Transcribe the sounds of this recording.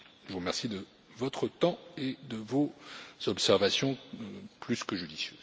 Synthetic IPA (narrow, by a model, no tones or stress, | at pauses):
ʒəvuʁmɛʁsid̪ə | vɔt̪χət̪ɑ̃ed̪əvoz̥ɔpsɛʁvasjɔ̃plyskəʒyd̪isjø̰ːz